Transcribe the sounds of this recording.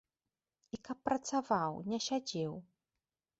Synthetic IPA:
ikɐpːɾɐt̪savawnʲɛɕʲad͡zʲɛw

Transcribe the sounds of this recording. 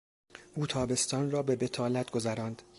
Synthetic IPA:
ʔuːt̪ʰɒːbe̞st̪ɒːnrɒːbe̞be̞t̪ʰɒːlæt̪ɡo̞zæɾɒːnd̪̥

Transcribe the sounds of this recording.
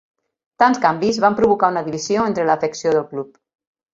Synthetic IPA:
t̪anskambizβampɾuβukaunəðiβizioent̪ɾələːfəksioðəlˠklup̚

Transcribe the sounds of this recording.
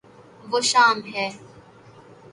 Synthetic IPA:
ʋoːʃaːmɦɛː

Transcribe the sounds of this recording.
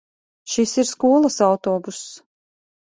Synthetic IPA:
ʃisiɾskuɔlˠasawt̪ɔːbusː

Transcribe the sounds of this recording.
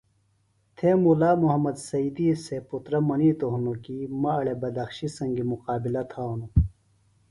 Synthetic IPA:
t̪ʰemulaːmuɦɐmɐd̪sɐiːd̪iːseput̪ɾɐmɐniːt̪oɦunokimɐɐɭebɐd̪ɐxɕisɐŋɡimuqaːbilɐt̪ʰaːnu

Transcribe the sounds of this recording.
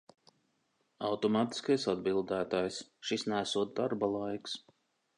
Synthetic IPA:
awt̪ɔmaːt̪i̥skajsad̪bilˠd̪æːt̪aːjsʃisnæːsuɔd̪d̪aɾbalˠajks

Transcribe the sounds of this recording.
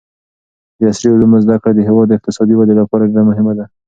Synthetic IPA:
d̪əasɾiʊlumʊzd̪akɽad̪əɦɪwɑd̪ːɪq̚t̪ɪsɑd̪iwad̪elapɑɾaɖeɾamʊɦɪmad̪a

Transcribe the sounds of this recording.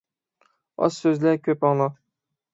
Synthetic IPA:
ɑ̰ssøzlækʲʰøpɑŋlˠɑq

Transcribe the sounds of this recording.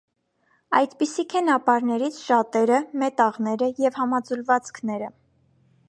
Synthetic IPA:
ɑ̰jd̪pisikʰɛnɑpɑɾnɛɾit͡sʰʃɑt̪ɛɾəmɛt̪ɑʁnɛɾəjɛvhɑmɑd͡zulvɑt͡skʰnɛɾə

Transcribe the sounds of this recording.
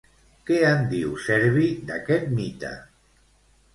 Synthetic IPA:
keand̪iwsɛɾβid̪akɛt̪̚mit̪a̰

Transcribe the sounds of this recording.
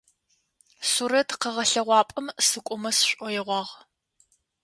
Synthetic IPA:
suɾɐtʰqəʁɐɬɐʁʷɑːpʼɐmsɨkʷʼʊmɐsɕʷʼʔʷɔjɛʁʷɑːʁ

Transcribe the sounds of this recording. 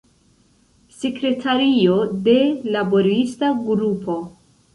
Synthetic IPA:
se̞kɾe̞tʰaɾio̞de̞labo̞ɾistaɡɾupʰo̞

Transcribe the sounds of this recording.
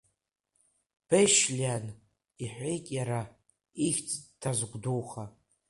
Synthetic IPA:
pʰejʃlʲan | iħʷejkʼjaɾa | ixʲt͡sʰʼtʰazɡʷduwχa

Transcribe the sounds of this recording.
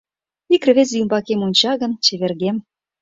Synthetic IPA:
ikr̆βez̬jymbɑkemonʲt͡ɕɑɣə̆nt͡ɕĕβerɣem

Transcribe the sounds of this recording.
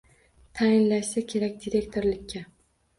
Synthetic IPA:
t̪ʰajɪnlaʃsakʲʰe̞ɾakʲd̪iɾe̞kʲt̪ʰoɾlɪkʲːa

